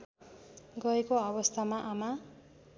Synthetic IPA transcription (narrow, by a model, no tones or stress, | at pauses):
ɡʌekoʌbʌst̪ʰamaʔama